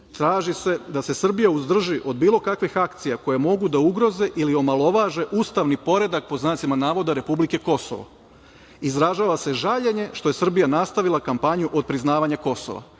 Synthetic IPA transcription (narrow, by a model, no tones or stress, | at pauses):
t̪ɾaːʒise̞d̪ase̞sr̩bijauzd̪r̩ʒiʔo̞d̪biːlˠo̞kakʋixakt̪sijako̞jemo̞ɡud̪auɡɾo̞ze̞ʔilio̞malˠo̞ʋaːʒe̞ʔust̪aʋnipo̞ɾe̞d̪ak̚po̞znaːt̪simanaːʋo̞d̪aɾe̞publike̞ko̞so̰ʋo̰ | izɾaʒaːʋase̞ʒaʎe̞ɲe̞ʃt̪o̞jesr̩bijanast̪aʋilˠakampaɲuʔo̞d̪̚pɾiznaːʋaɲako̞so̰ʋa̰